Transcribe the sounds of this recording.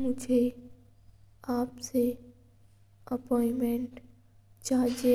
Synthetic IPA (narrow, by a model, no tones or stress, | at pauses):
mʊd͡ʒʱe | aːpse | ɐpɔːɪmẽɳʈ | t͡ʃaːd͡ʒe